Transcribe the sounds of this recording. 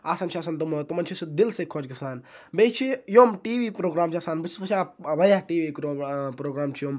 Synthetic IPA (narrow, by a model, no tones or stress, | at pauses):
aːsɐnt͡ʃʰiaːsɐnt̪umt̪umɐnt͡ʃʰisid̪ilsekʰːoːd͡ʒkisaːnbeːt͡ʃʰijoːmʈiːʋiːpɾoːɡɾaːmt͡ʃʰaːsaːnbɨt͡ʃʰspɐt͡ʃʰaːʋɐjaʈiːʋiɾopɾoːɡɾaːmt͡ʃʰijom